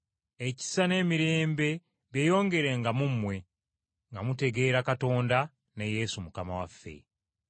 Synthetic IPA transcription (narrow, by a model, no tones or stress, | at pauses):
e̞ci̥sane̞ːmiɾe̞ːmbe̞ | βje̞ːjo̞ːŋɡe̞ɾeŋɡamumːwe̞ | ŋɡamute̞ɡe̞ːɾakato̞ːnda | neje̞ːsumukama̰wa̰fːe̞̰